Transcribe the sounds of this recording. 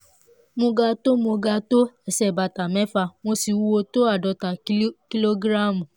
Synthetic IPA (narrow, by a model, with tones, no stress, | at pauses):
mo˧ɡa˧to˦mo˧ɡa˧to˦ɛ˦˨sɛ˦˨ba˨ta˨mɛ̃˨˦fa˧mo˧si˧wu˧wo˧to˦a˦˨dɔ˨˦ta˨˦ki˦lo˦ɡɾa˦˨mu˨